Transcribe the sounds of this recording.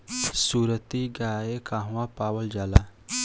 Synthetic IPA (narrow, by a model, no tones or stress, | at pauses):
suɾət̪iɡajekãɦʋapawəld͡ʒala